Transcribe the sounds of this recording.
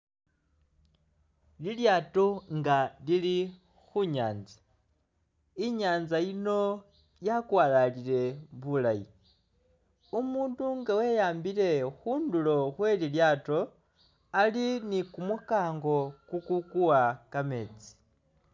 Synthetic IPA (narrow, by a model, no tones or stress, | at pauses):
liljaːto̞ŋɡalili | xuɲaːnzḁ | iɲaːnzajino̞ | jakwaːlalile̞βulajḭ | umuːnduŋɡawe̞jaːmbile̞xuːndulo̞xwe̞liljaːto̞ | alinikumukaːŋɡo̞kukukuwakame̞ːt͡si̥